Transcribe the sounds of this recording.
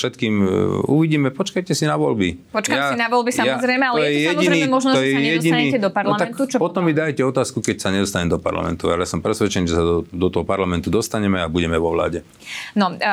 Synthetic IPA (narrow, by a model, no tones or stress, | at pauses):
ʃɛt̪kiːmṵʋiɟiːmɛpɔt͡ʃkajcɛsinaʋɔlbipɔt͡ʃkamasinaʋɔlbisamjazɾɛjmɛalɔjɛɛjɛmɟinɾnɛimɔʒnɔt̪ɔjɛjɛɛɔɟiniɛɛd̪ɔpaɾlamt̪aknut͡ʃpɔt̪ɔmːid̪ajcɛɔt̪aːskukɛcsaɲɛd̪ɔst̪aɲɛmd̪ɔpa̰ɾla̰mɛ̰nt̪ualɛjasɔmpɾɛsʋɛt͡ʃɛniʒɛsad̪ɔd̪ɔt̪ɔɦɔpaɾlamɛnt̪ud̪ɔst̪aɲɛmɛabuɟɛmɛʋɔʋla̰ːɟɛ | nɔ